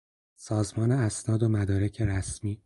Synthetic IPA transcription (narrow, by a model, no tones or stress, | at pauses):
sɒːzmɒːneæsnɒːd̪o̞mæd̪ɒːɾe̞cʰe̞ɾæsmiː